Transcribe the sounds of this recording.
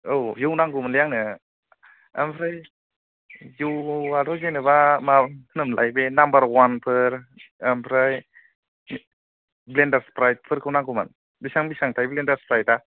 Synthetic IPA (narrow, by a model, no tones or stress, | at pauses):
owjuwnaŋɡumanlejaŋnɯ | a̰mpʰɾaj | juwadɔzenɯbamanɯmla̰jbenambaɾwanpʰɯɾampʰɾaj | blendaɾspɾajt̚pʰɯɾkʰɯwnaŋɡuma̰n | bisaŋbisaŋtʰajblendaɾspɾajta